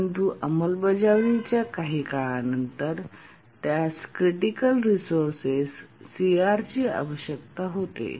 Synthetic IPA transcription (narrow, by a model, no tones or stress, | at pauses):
ənt̪uʔəməlbəd͡ʑaʋit͡ɕjakaɦiːkaɭanənt̪əɾ | t̪jaskɾiʈikəlɾisoɾsesːiaɾt͡ɕiːa̰ʋəɕjək̚t̪aɦot̪ḛ